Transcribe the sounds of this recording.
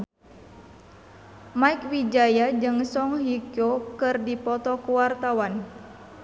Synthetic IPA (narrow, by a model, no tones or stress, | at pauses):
maikwid͡ʒajad͡ʒɨŋsɔŋɦikjokɨrdipɔt̪ɔkuwart̪awan